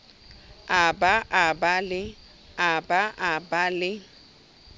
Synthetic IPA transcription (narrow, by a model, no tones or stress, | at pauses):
abaʔabalɪ | abaʔabalɪ